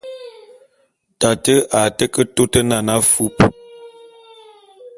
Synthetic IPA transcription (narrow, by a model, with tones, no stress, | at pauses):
ta˨tə˦ʔa˨tə˦kə˦to˦tə˦na˨na˦fu˦p